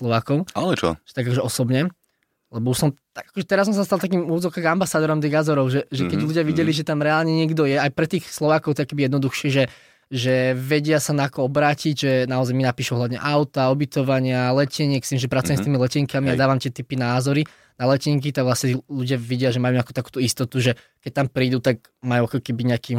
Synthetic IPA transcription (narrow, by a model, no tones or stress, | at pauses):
slˠɔʋaːkɔʊalɛt͡ʃɔ̰̥ɛt̪aɡakɔʒɛʔɔsɔbɲɛ | lɛbɔuʃsɔmt̪aɡakɔʒɛt̪ɛɾas̬ɔmsast̪alˠt̪ak̬iːmuzɔkaːɡambasaːd̪ɔɾɔmt̪iːɣɡazɔɾɔʊʒɛʒɛkkɛɟluɟɪaʋiɟɛliʒɛt̪amɾɛaːlɲɛɲɪɛɡd̪ɔjɛajpɾɛt̪iːxslɔʋaːkɔʊt̪ɛɔkɛbijɛd̪nɔd̪uxʃɪɛʒɛ | ʒɛʋɛɟɪasanaːkɔɔbɾaːciɟʒɛnaɔzajminapiːʃuɔɦlaʋɲɛ̰ʔaʊt̪aɔbit̪ɔʋaɲɪalɛcɛɲɪɛkst̪imʒɛpɾat͡sujɛmst̪iːmilɛciŋkamiad̪aːʋamt̪ɪɛt̪ipinaːzɔɾi | nalɛciŋk̬it̪aɡʋlasɲɛt̪luɟɪaʋiɟɪaʒɛmajuaku̥t̪akuːt̪uist̪ɔt̪uʒɛ | kɛc̚t̪ampɾiːd̪ut̪ak̚ | majuakɔkɛbiɲɛakiːm